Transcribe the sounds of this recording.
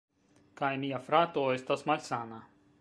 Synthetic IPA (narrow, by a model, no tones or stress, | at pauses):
kajmʲijafɾat̪oːist̪ɔsmalʲsaːna